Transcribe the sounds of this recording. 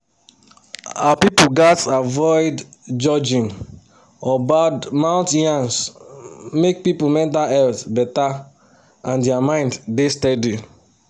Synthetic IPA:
a̰apipuɡatavɔɪdd͡ʒɔd͡ʒĩn | ɔbadmãʊ̃ntjãns | mek̚pipumɛ̃k̚daɛltbɛta | ãndɛamãɪ̃nddestɛdi

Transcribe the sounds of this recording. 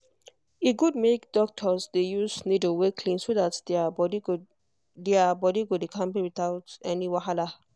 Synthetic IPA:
iɡud̚mekdɔk̚tʰɔsdejusnidəwekʰlĩnsodat | deabɔdiɡodekʰãmpiwit̪aʊtɛniwaɦala

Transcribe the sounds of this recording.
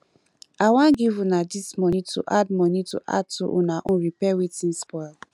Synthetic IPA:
awãnɡivunadismɔnĩtṵʔad̚mɔnitṵʔa̰d̚tṵʔunaʔũɹipɛwetĩnspɔɪl

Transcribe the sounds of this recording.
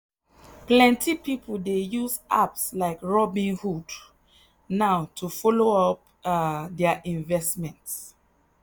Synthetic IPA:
plɛ̃ntʰipipʰoldejuzʔa̰pslaɪkɹɔbĩnhud | naʊtʰufɔloɔp̚ | dɛəʔĩnvɛsmɛ̃nts

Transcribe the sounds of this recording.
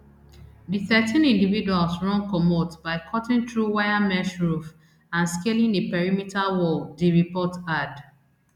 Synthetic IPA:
diθɛtĩnĩndividualsɹɔ̃ŋkɔmotbaɪkʰɔtĩŋtɹuwajamɛʃɹuf | ãnskelĩŋdepɛɹimitalwɔldiɹipɔtad

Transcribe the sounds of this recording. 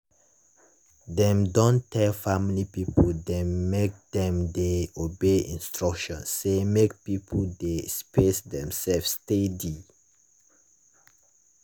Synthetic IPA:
dɛ̃mdɔ̃ntʰɛlfamilipipoldɛ̃nːek̚dɛ̃mdeobeḭ̃nstɹɔkʃɔ̰̃nsːemek̚pipʰodespesdɛ̃msɛlfstedi

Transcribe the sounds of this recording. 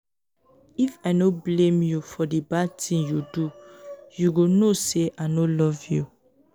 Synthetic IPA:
ifaɪnoblẽmjufɔdibatʰĩnjudujuɡonoseʔanolɔvju

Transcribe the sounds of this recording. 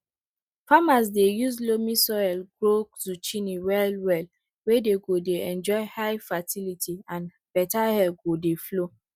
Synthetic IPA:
famas̬dejuzlomisɔɛlɡɹokz̥ut͡ʃiniwɛlwɛl | wedeɡodeɛ̃nd͡ʒɔɪhajfatilitʰiãn | b̥ɛtahɛlɡodeflo

